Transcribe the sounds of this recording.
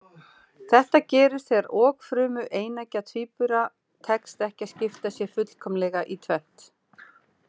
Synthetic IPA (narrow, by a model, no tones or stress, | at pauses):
θɛht̪acɛːɾɪst̪ɛɾɔːkfɾʏːmʏʔeːjnacat̪ʰviːpʏɾa | t̪ʰɛkst̪ɛhcḁscɪft̪asjɛfʏt̪l̥kʰɔmlɛɣaʔit̪ʰvɛn̥t̪